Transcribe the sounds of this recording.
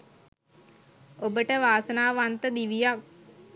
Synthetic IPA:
obəʈəʋaːsənaːʋant̪əd̪iʋijak̚

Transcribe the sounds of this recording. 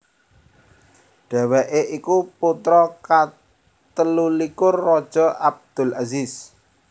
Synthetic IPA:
ɖ̥a̤wɛʔeʔikuput̪ɾɔka | t̪əlulikʊrːɔd̥ʒ̥ɔʔab̚d̪̥ʊ̤lazis

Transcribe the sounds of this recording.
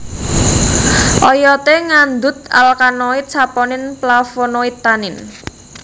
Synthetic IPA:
ʔɔjɔt̪eŋand̪ʊt̪̚a̰lkanɔɪt̪̚t͡ʃapɔnɪnplafonɔɪt̪ːanɪn

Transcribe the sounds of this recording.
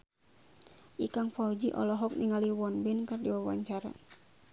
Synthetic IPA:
ʔikaŋfaud͡ʒiʔɔ̰lɔɦɔk̚niŋaliwɔnbɛnkardiwawa̰ɲt͡ʃaɾa̰

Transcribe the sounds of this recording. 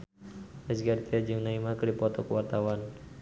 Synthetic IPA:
asɡaɾit̪iad͡ʒəŋnaimakɨɾdipɔt̪ɔkəwart̪awan

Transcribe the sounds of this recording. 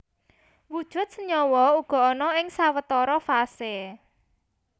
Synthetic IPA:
wud̥ʒ̥ʊ̤t̪̚səɲɔwɔuɡ̥ɔ̤ɔnɔɪŋsawət̪ɔɾɔfase

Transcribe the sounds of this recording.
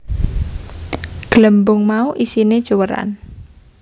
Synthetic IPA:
ɡ̥ləmbʊŋmauʔisined̥ʒ̥owəɾa̰n

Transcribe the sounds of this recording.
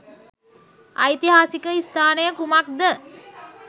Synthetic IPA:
a̰jt̪iɦaːsikəist̪ʰaːnəjəkumak̚d̪ə

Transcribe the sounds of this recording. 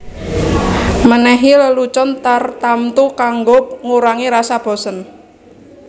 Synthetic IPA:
mənɛɦiləlut͡ʃɔnt̪art̪amt̪ukaŋɡʊp̚ŋuɾaŋiɾasab̥ɔ̤sən

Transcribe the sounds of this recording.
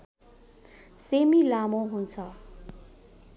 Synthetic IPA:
semilamoɦunt͡sʰʌ

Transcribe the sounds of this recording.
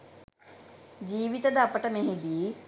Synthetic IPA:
d͡ʑiːʋɪt̪əd̪aːpəʈəmẽːɦĩːd̪iː

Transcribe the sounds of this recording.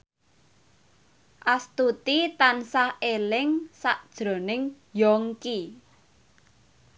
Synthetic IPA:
ʔast̪ut̪it̪ansahelɪŋsaʔd̥ʒ̥ɾo̤nɪŋ | jɔŋki

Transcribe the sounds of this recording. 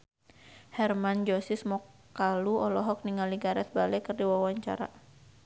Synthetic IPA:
hɛrmand͡ʒɔsismɔkː | aluɔlɔɦɔk̚niŋaliɡaɾɛt̪̚balɛkərdiwawaɲt͡ʃa̰ɾa̰

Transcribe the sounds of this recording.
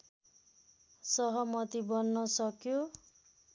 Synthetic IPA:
sʌɦʌmʌt̪ibʌnːʌsʌkjo

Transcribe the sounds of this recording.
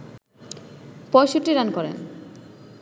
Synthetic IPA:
pɔjʃuʈːiɾankɔɾḛn

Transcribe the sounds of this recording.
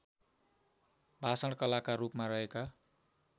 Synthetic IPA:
bʱasʌɽkʌlakarupmarʌɦeka

